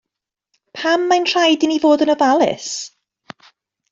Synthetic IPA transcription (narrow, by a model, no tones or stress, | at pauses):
pʰamːajnr̥ajdinivoːdənəvalˠɪ̰s